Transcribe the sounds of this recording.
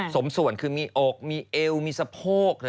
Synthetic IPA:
so˨˩˦msu˨˩˦ənkʰɯː˧miː˧ʔɔː˨˩k̚miː˧ʔe˧wmiː˧sa˧pʰoː˥˩k̚ː

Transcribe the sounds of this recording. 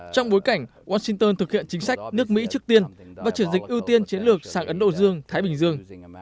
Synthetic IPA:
t͡ɕɔ˧wŋ͡mɓo˨˦jka˧˩jŋ̟waː˧sï˧ŋt̪əː˧nt̪ɨ˨˩k̚hḭ˧˨ənt͡ɕï˨˦ŋsa˦˥jk̟̚nɨ˦˥ək̚mḭ˧˥t͡ɕɨ˦˥ək̚t̪i˧ənvaː˨˩t͡ɕɨ˧˩ənzï˨˩k̟̚ʔi˧əwt̪i˧ənt͡ɕi˨˦ənlɨ˨˩ək̚saː˧˩ŋʔə˨˦nɗo̰˧˨zɨ˧əŋt̪ʰaː˨˦jɓï˨˩ŋ̟zɨ˧əŋ

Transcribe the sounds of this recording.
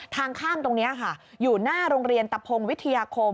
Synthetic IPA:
t̪ʰaː˧ŋkʰaː˥˩mt̪o˧ŋni˦˥ʔa˨˩kʰa˥˩juː˨˩naː˥˩ɾoː˧ŋɾi˧ənt̪a˧pʰo˧ŋwi˦˥t̪ʰːa˧jaː˧kʰo˧

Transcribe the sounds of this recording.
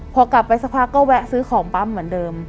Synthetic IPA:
pʰɔː˧kla˨˩pːa˧jsa˧pʰaː˥˩kːɔː˥˩wɛ˦˥sɯː˦˥kʰɔː˩˦ŋpa˦˥mːɯ˩˦əndɤː˧m

